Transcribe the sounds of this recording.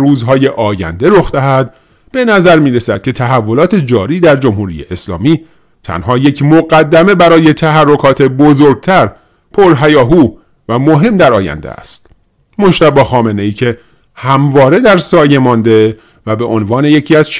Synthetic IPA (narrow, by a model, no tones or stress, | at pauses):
ruːzɦɒːje̞ʔɒːjæ̰nd̪e̞ɾoxd̪æɦæd̪ | be̞næzæɾmiːɾesæd̪̚cʲʰe̞t̪ʰæɦævːo̞lɒːt̪ʰe̞d͡ʒɒːɾiːd̪æɾd͡ʒo̞mhuːɾḭːjḛʔeslɒ̰ːmiː | t̪ʰæ̰nhɒːje̞cʰmoɡæd̪ːæme̞bæɾɒːje̞t̪ʰæɦærːo̞kʰɒːt̪ʰebozoɾɡ̚t̪ʰæɾ | pʰoɾɦæjɒːɦuː | væmo̞ɦe̞md̪æɾɒːjæ̰nd̪ḛæ̰st̪ | moʃt̪æbɒːxɒːme̞ne̞iːcʰe̞ | hæmvɒːɾe̞d̪æɾsɒːje̞mɒːnd̪e̞ | væbe̞ʔonvɒːne̞je̞cʰiːæz̥t͡ʃ